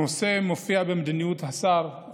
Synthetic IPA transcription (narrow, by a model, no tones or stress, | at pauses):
osemofiabemed̪inijut̪hasaɾ